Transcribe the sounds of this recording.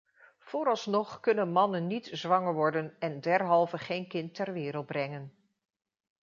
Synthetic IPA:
v̥ʊːɾɑlˠsnɔχkɵnənmɑnənːitzʋɑŋəɹʋɔɹdənɛndɛɹɦɑlˠvəχejnkɪntːɛɹʋɪːɾəlˠd̚brɛŋən

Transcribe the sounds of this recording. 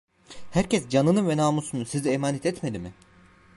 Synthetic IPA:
hæɾcɛsd͡ʒanɯnɯnvɛnaːmusunusiziemaːnɛt̪ʰɛt̪melimɪ

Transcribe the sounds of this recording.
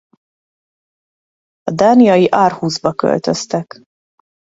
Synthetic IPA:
ɒd̪aːnijɒjiʔaːrhuːzbɒkø̰lt̪ø̞̰st̪ɛk

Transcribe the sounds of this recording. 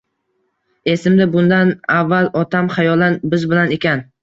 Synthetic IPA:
e̞sɪmd̪ɪbʊnd̪anavːalˠɒt̪ʰamχajɒlˠanbɪzbɪlane̞kʲan

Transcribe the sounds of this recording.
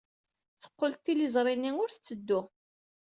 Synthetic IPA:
θə̥qːolt̪ːilizˤɾˤinːiŋʊɾθət͡sːəd̪ːʊ

